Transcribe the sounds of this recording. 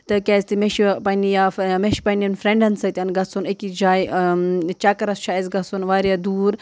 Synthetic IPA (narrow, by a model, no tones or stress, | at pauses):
t̪ɨkʲazt̪imeʃipɐnijameʃpɐniɐnfɾeɳɖɐnsɐt̪ʲɐnɡɐsunɐkid͡ʒaːj | t͡ʃakɐɾɐst͡ʃʰaːezɡɐsunʋaːɾjad̪uːɾ